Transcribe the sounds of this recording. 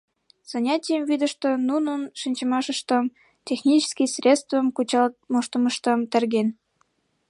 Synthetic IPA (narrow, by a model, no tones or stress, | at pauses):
z̥ɑnʲɑtʲijəmvid̪ə̆ʃt̪onunənʃinʲt͡ɕəmɑʃəʃt̪ə̆m | tʲexnʲit͡ɕskʲijsrʲest̪vəmkut͡ɕɑmoʃt̪əməʃt̪ə̆mt̪ə̆rɡen